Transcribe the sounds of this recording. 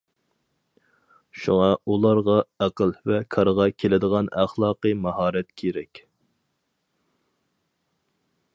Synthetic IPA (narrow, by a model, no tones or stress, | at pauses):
ʃuŋɑulˠɑɾʁɑæqəlvɛkʰɑɾʁɑkʲʰelɪd̪əʁɑnæ̰χlˠɑːqəmɑɦɑːɾɛt̪kʲʰeɾɛkʲ